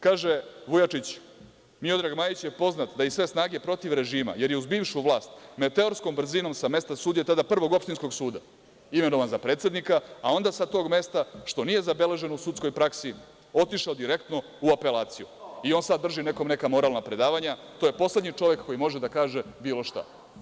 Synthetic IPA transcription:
kaːʒeʋujat͡ʂit͡ɕ | mio̞d̪ɾaɡmaːjit͡ɕjepo̞znat̪d̪ajisʋe̞snaːɡe̞pɾo̞t̪iʋɾe̞ʒiːma̰je̞ɾjeuzbiːʋʃuʋlˠaːst̪med̪t̪eoɾsko̞mbr̩zino̞msame̞st̪asuːd̪jet̪ad̪apr̩ʋo̞ɡo̞pʃt̪insko̞ɡsuːd̪a | ime̞no̞ʋanzapɾet̪sʲe̞d̪nikaao̞nd̪asat̪o̞ːɡme̞st̪aʃt̪o̞nije̞zabe̞le̞ʒe̞nousut̪sko̞jpɾaksi | o̞t̪iʃaod̪iɾe̞kt̪no̞ | uape̞laːt̪sijuio̞nsad̪ːr̩ʒine̞ko̞mne̞kamo̞ɾaːlnapɾe̞d̪aːʋaɲat̪oje̞po̞sle̞d̪ɲit͡ʂo̞ʋe̞kkːo̞jimo̞ʒed̪akaːʒe̞biːlˠo̞ʃt̪a̰

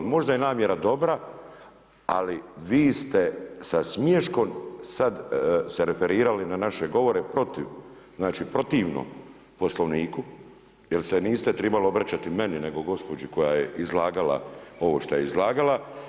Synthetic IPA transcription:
mo̞ʒd̪ajenaːmje̞ɾad̪o̞bɾa | a̰liʋiːst̪e̞sasmjeʃko̞msad̪seɾefe̞ɾiːɾalinanaʃe̞ɡo̞ʋo̞ɾepɾo̞t̪iʋ | znaːt͡ʃipɾo̞t̪iːʋno̰m | po̞slˠoʋniːku | jelseniːst̪et̪ɾɛbaloobɾat͡ɕat̪ime̞nine̞ɡo̞ɡo̞spo̞d͡ʒiko̞jajeʔizlˠaːɡala̰o̞ʋo̞ːʃt̪ojeizlaːɡala

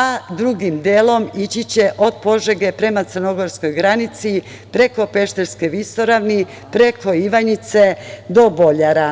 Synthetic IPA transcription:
ad̪ɾuɡimd̪eːlo̞mit͡ɕit͡ɕe̞ʔo̞d̪po̞ʒeɡe̞pɾe̞mat̪sərno̞ɡo̞ɾsko̞jɡɾanit̪si | pɾe̞ko̞pe̞ʃt̪e̞ɾske̞ʋist̪o̞ɾaʋni | pɾe̞ko̞iʋaɲit̪se̞d̪o̞bo̞ʎaɾa

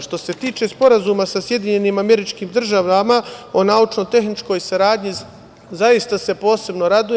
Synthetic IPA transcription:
ʃt̪o̞se̞t̪iːt͡ʃe̞spo̞ɾazumasasje̞d̪iɲe̞niːmame̞ɾit͡ʃkiːmd̪r̩ʒaʋamao̞naːut͡ʃno̞t̪e̞xnit͡ʃko̞jsaɾaːd̪ɲi | zaist̪ase̞po̞ːse̞bno̞ɾad̪u

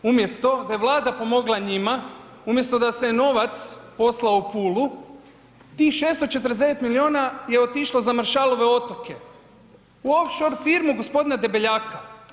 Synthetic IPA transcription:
umje̞st̪o̞d̪ajeʋlˠaːd̪apo̞mo̞ɡlˠaɲima | umje̞st̪o̞d̪aseno̞ʋat̪spo̞slaoupuːlu | t̪ixʃeːst̪ot͡ʃe̞t̪əɾezd̪e̞ʋet̪milio̞ːnaje̞o̞t̪iʃlozamaɾʃaːlo̞ʋe̞o̞t̪o̞ke̞ | uofʃo̞ɾfiɾmuɡospo̞d̪inad̪e̞beʎaːkʰa

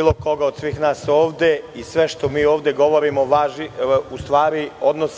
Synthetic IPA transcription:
iːlˠoko̞ɡaod̪sʋiːxnaːsoːʋd̪e̞isʋe̞ʃt̪omiːo̞ːʋd̪eɡo̞ʋoɾimoʋaːʒiust̪ʋaːɾio̞d̪nos

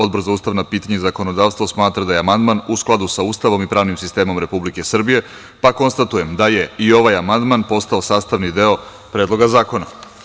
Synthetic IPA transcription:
od̪bo̞ɾzauːst̪aʋnapiːt̪aɲezako̞no̞d̪aːʋst̪ʋosmaːt̪ɾad̪ajeamand̪manusklˠad̪usauːst̪aʋo̞mipɾaːʋnimsist̪e̞ːmo̞mɾe̞publike̞sr̩bije̞ | pako̞nst̪at̪uje̞md̪aje̞io̞ʋajamand̪manpo̞st̪ao̞saːst̪aʋnid̪eo̞ | pɾeːd̪lˠo̞ɡazaːko̞na

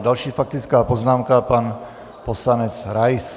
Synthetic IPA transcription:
dalʃiːfak̚t̪ɪt͡skaːpoznaːmkapan | poslanɛt͡sɾajs

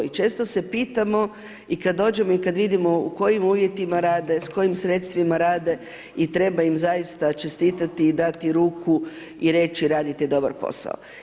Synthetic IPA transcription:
it͡ʃe̞ːst̪o̞se̞piːt̪amo̞ | ikad̪ːo̞ːd͡ʒe̞moikad̪ʋid̪imo̞ṵko̞jimuːʋje̞t̪imaɾaːd̪e̞sko̞jimsɾe̞t̪st̪ʋimaɾaːd̪e̞ | it̪ɾe̞baimzajist̪at͡ʃe̞st̪iːt̪at̪iːd̪at̪iɾuːku | iɾe̞ːt͡ʃiɾaːd̪it̪id̪o̞ba̰ɾpo̞̰sa̰o̰

